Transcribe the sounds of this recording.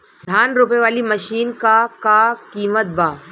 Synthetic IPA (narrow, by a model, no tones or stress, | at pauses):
d̪ʱaːnɾuːpeʋaːlimɐʃiːnkakakiːmət̪̚baː